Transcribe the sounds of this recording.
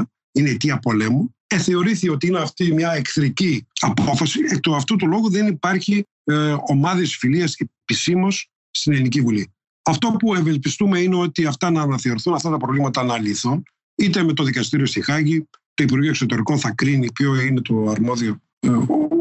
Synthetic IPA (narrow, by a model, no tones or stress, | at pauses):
inet̪iɐpo̞le̞mu | eθe̞o̞ɾiθio̞t̪iineɐft̪imɲɐekθɾiciɐpo̞fɐsiet̪oɐft̪ot̪ulo̞ɣoðe̞nipɐɾçi | o̞mɐðesfiliɐsepisimo̞s | st̪ine̞linicivuli | ɐft̪o̞pue̞ve̞lpist̪ume̞ineo̞t̪iɐft̪ɐnɐːnɐθe̞o̞ɾiθunɐft̪ɐt̪ɐpɾovlimɐt̪ɐnɐliθun | it̪e̞me̞t̪o̞ðikɐst̪iɾiost̪ixɐʝit̪oipuɾɣioeso̞t̪e̞ɾiko̞nθɐkɾinipço̞ine̞t̪o̞ɐɾmo̞ðio̞